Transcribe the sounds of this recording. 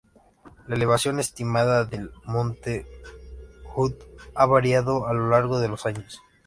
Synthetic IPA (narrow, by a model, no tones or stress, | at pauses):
laele̞βasjo̞ne̞st̪imaðaðelmõ̞nt̪e | xut̪aβaɾjaðo̞alo̞laɾɣo̞ðe̞lo̞saɲos